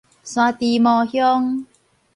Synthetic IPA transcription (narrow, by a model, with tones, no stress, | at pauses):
swaː˧t̪i˧mɔː˧hjɔ˦˥ŋ